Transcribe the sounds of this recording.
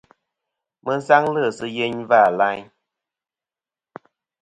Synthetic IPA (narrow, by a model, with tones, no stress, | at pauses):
mə˦sa˦ŋlə˦˨sɨ˦je˦ɲva˦˨la˦ɲ